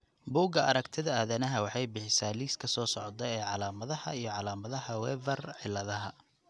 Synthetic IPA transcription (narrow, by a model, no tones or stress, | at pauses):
buːɡɐʔɐɾɐkt̪ʰɪðɐaːðɐnɐɦɐwɑħɑjbɪħɪsaːliːskʰɐsɔːsɔʕɔt̪ɛɛːʕɑlaːmɐðɐhɐ̰ijɞʕɑlaːmɐðɐhɐwɛːvɛrʕɪlːɐðɐɦɐ